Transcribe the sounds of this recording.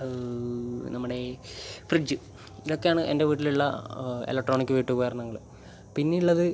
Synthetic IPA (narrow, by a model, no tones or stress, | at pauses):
nɐmːɐuɽe̞frid͡ʑːɨ | iðokːejaːɳɨʔende̞ʋiːʈːiluɭːɐḛlek̚ʈro̞ːɳikʲːɨʋiːʈːukojɐrɐnːɐŋːɐɭu | pinːiuɭːɐðɨ